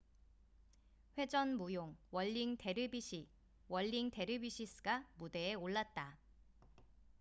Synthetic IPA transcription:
ɸwe̞d͡ʑʌnmujoŋwʌʎːiŋte̞ɾɯbiɕʰi | wʌʎːiŋte̞ɾɯbiɕʰis͈ʰɯ̥ɡamude̞ːoɭːat̚t͈a

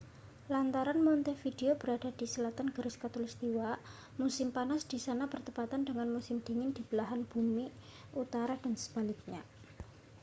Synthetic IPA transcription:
lant̪aɾanmɔnt̪efideob̥əɾada̤d̥isəlat̪anɡ̥əɾɪskat̪ulist̪iwa | musɪmpanasd̥isanab̥ərt̪əpat̪andəŋanmusɪmd̥e̤ŋɪnd̥ib̥əlaɦanb̥umi | ut̪aɾad̥ansə̥b̥a̤lɪk̚ɲa̰

